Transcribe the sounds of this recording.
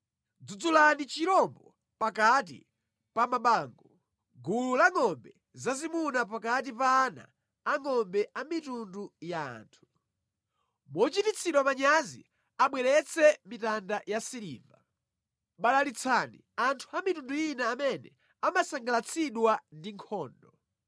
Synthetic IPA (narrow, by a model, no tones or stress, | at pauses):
d͡zud͡zulanit͡ʃiɾɔmbɔ | pakat̬ḭ | pamaɓaːŋɡɔ | ɡululaŋɔmbɛ | zazimunap̬akat̬ipaːna̰ː | ŋɔmbɛʔamitunduja̰ːntʰu̥ | mɔt͡ʃitit͡sʰiɗwamaɲazḭ | aɓwɛɾɛt͡sʰɛmitandajasiɾḭːva̰ | ɓalalit͡sʰanḭ | antʰuamitundujinaːmɛnɛ | amasaŋɡalat͡sʰiɗwandiŋkʰɔːndɔ